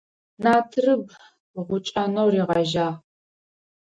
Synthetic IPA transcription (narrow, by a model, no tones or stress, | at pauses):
naːtʰɨrɨb | ʁʷʊt͡ʃʼɐnowriːʁɐʒaː